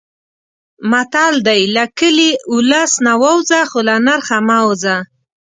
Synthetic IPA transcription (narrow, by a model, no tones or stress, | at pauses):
mat̪ɑld̪ajlakəliʊlasnawawzaxolanaɾxamawza